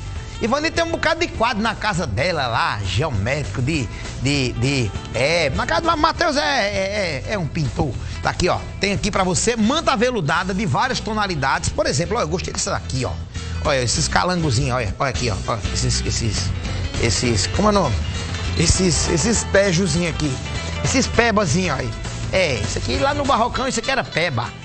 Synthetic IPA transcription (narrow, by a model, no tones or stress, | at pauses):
ɪvɐ̃nit̪ẽj̃ũbukad̪ʊd̪ɪkwad̪ʊnɐkazɐd̪ɛlɐlaʒɛwmɛd̪ɪkʊd̪ɪ | d̪ɪd̪ɪɛnɐkazɐd̪lamat̪ewzɛɛɛɛũpĩnt̪o | d̪a̰kiɔ̰t̪ẽj̃akipɾɐvosemɐ̃nt̪avelud̪ad̪ɐd̪ɪvaɾiɐst̪õnalid̪ad̪ɪspoɾezẽplɔewɡoʃt̪ejd̪ɛsɐd̪a̰kiɔ̰ | ɔjɐesɪska̰lɐ̃ŋɡʊzĩɲɔjɐ̰ʔɔjakiɔ̰ɔ̰ɐesɪsḛsɪsesɪskõmʊɛnõmɪesɪsḛsɪspɛʒʊzĩɲʊaki | esɪspɛbɐzĩɲɔi | ɛisakilanʊbaɦokɐ̃w̃isekɛɾɐpɛbɐ̰